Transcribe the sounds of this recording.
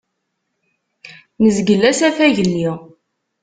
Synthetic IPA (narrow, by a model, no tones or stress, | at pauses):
nəzɡəlːæsæθæʝəlːi